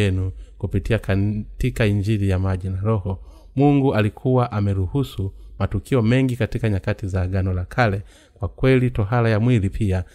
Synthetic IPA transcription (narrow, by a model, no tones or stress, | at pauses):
ɛnukupitiakatikaiɲd͡ʒiɾijamaʄinaɾɔhɔ | muŋɡuʔalikʰuwaʔamɛɾuhusumatukiɔmɛŋɡikatikaɲakatizaɡanɔlakʰalɛ | kwakwɛlitɔɦalajamwilipʰia